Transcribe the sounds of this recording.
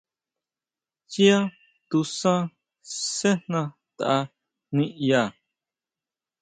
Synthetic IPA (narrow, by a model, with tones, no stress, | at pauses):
t͡ʃi˦a˦ | t̪u˧sã˦ | se˦n̥nã˧ | t̪a˨ʔa˧ | nĩ˦ʔja˧˨